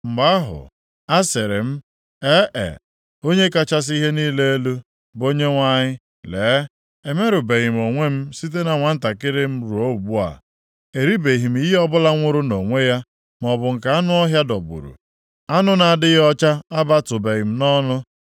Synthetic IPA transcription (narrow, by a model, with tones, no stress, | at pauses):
m̩˨ɡ͡ba˦ɦʊ̰˨ | a˦se˨ɾɪ̰˨m̩˦ | e˦ʔḛ˨ | o˦ɲe˦ka˦t͡ʃa˦s̬i˦ɦe˦niː˦le˦e˦lu˦ | bo˦ɲe˦ŋʷa˦ɲɪ˦ | leː˨˦ | e˨me˦ɾʊ˨be˨ɣɪ˨m̩˨o˨ŋʷe˦m̩˦si˦t̬e˦na˨ŋʷa˨n̩˦ta˨kɪ˦ɾɪ˦m̩˦ɾu˨o˦u˨bu˦a̰˨ | e˨ɾi˦be˨ɦi˨m̩˦i˦ɦe˦ɔ˦bʊ˦la˦ŋʷʊ˦ɾʊ˦no˨ŋʷe˦ja˦ | m˨ɔ˨bʊ˨ŋ̩˨ka˨a˦nʊ˦ɔ˦ɦja˦dɔ˨bṵ˨ɾṵ˨ | a˦nʊ˦na˨dɪ˦ɣɔ˦t͡ʃa˦a˦ba˦tʊ˨be˨ɣɪ˨m̩˦nɔ˦nʊ˦